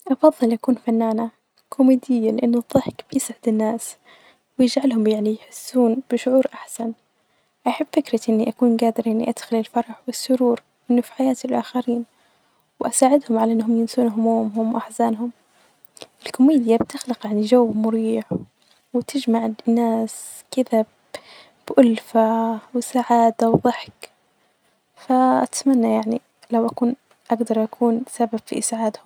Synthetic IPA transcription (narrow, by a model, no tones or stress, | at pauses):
ʔɑfɑðˤːɨlʔakuːnfanːaːna | kʰʊmiːd̪ɪjːalɪʔɪnːʊðˤːɨħkb̥ɪjɪsʕɪd̪ɪnːaːs | wɪjɪd͡ʒʕalhʊmjaʕnijħɪsːuːnb̥ɪʃʊʕuːɾʔaħsan | ʔaħabːfɪkɾɪʔɪnːiʔakuːnɡaːd̪ɪɾʔɪnːiʔad̪̥xɪlɪlfɑɾˤɑħwɪsːʊɾuːɾ | ʔɪnːʊfi̥ħajaːt̪ɪlʔaːxaɾiːn | wɪʔasaːʕɪd̪hʊmʕalaʔɪnːɦʊmjɪnsuːnɦʊmuːmɦʊmwʔaħzaːnɦʊm | ʔɪlkʊmiːd̪jabt̪ɪxlɪqjaʕnid͡ʒawːmʊɾiːʕ | wt̪ʰɪd͡ʒmaʕnːaːs | kɪða | b̥ʔʊlfawsaʕaːd̪awðˤɨħk | faʔat̪manːajaʕni | lawʔakuːn | ʔaɡd̪ɑɾˤʔakʰuːnsabab̥fḭʔɪsʕaːd̪hʊm